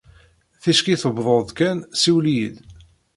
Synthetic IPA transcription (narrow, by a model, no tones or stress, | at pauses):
θæʃkiθəbðˤoðkænsiwlijid̪